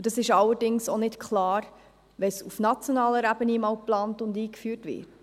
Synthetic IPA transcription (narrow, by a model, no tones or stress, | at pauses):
d̥ɑsɪʃɑlːəɾdɪŋsonɪtkʰχlɑːɾ | ʋɛsufnɑt͡sjɔnɑːləɾæbənimɑwplɑːntʊndiːkfyːɾtʋɪ̰ːt